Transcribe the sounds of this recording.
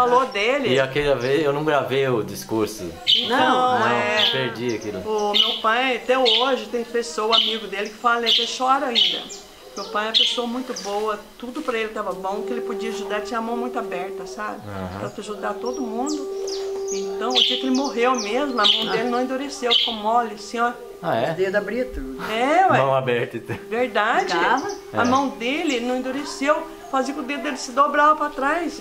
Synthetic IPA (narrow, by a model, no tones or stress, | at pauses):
falod̪elɪakejɐvezewnɐ̃w̃ɡɾavejʊd͡ʒiskuɾsʊ̰ẽnɐ̃w̃ɛpeɾd͡ʒiɐkilʊ̰ʊmewpaj̃t̪ɛoʒɪt̪ẽj̃pesowʊamiɡʊd̪elɪkɪ̥falɐnet̪ẽʃɔɾɐaĩnd̪ɐ̰ | mewpaj̃ɛɐpesoɐmũj̃t̪ʊbowɐt̪ud̪ʊpɾɐelɪt̪avɐbõw̃kɪelɪpod͡ʒiɐʒud̪aɾt͡ʃĩɲɐmɐ̃w̃mũj̃t̪ʊabɛɾt̪ɐsabɪpɾɐt̪aʒud̪at̪od̪ʊmũnd̪ʊẽt̪ɐ̃w̃od͡ʒiɐkelɪmoɦewmezmʊɐmɐ̃w̪̃elɪnɐ̃w̃ẽnd̪uɾesewkõmmɔlɪsĩɔ | aɛd̪ed̪ʊabɾit̪ud̪ɛmɐ̃w̃abɛɾt̪ĩt̪veɾd̪ad͡ʒɪvɐɐmɐ̃w̃d̪elɪnɐ̃wẽd̪uɾesew | faziɐkõʊd̪ed̪ʊd̪elɪsɪd̪obɾavɐpɾɐt̪ɾajs